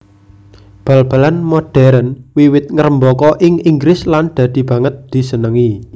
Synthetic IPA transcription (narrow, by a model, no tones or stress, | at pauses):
b̥a̤lb̥a̤lanmoɖ̥ɛɾənwiwɪt̪̚ŋəɾəmbɔkɔʔɪŋiŋɡɾɪsland̪̥ä̤d̪̥i̤b̥ä̤ŋət̪̚d̪̥i̤sənəŋi